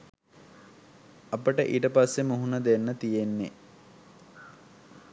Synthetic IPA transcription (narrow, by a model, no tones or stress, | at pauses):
ɐpəʈəʔiːʈəpasːemuɦunəd̪enːət̪ijenːe